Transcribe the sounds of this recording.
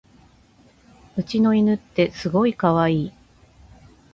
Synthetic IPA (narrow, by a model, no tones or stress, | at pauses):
ɯ̟t͡ɕino̞inɯ̟t̪ːe̞sɨɡo̞ikaβaiː